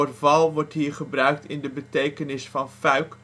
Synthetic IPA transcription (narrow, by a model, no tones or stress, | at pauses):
ərvɑlˠʋɔɹtɦiːɹχəbrœɥk̚tɪndəbətejkənɪsfɑnfœɥk